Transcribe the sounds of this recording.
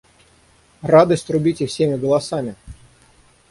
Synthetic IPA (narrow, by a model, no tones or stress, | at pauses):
rad̪əsʲt̪ʲɾʊbʲitʲɪfsʲemʲɪɡəlˠɐsamʲɪ